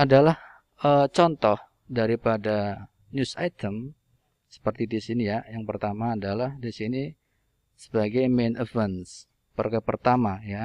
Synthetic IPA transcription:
ʔadalah | ʔət͡ʃɔnt̪ɔh | daɾipada | njusat̪əm | sə̥pərt̪idisinijajaŋpərt̪amaːdalahdisini | sə̥baɡajmenəfɛns | pərkapərt̪amaja

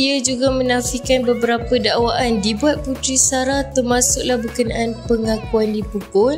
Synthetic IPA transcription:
iad͡ʒuɡamə̃nãfikanbəbəɾapədawaʔandibuat̪̚put̪ɾisaɾaht̪ərmasʊk̚lahbəkənaʔanpəŋakuandipəkʊn

